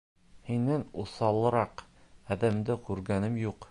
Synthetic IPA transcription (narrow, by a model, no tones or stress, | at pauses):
hinːænusɑlˠɤ̆ɾɑqæðɘ̆md̪ɘkʉɾɡænɘmjuq